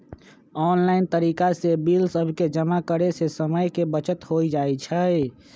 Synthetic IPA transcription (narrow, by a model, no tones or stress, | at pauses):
ɔːnlaɪnt̪əɾikasebilsəbʱked͡ʒəmakəɾesesəməjkebət͡ʃət̪ɦoid͡ʒaːɛt͡ʃʰə